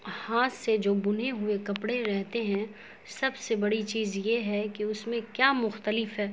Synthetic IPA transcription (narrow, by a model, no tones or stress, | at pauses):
haːt̪sed͡ʒoːbʊn̤eɦʊekɐpɽeɾɛɦt̪eɦɛ̃ | sɐbsebɐɽit͡ʃiːzjeɦɛkiʊsmẽkjaːmʊxt̪əlɪfɦɛː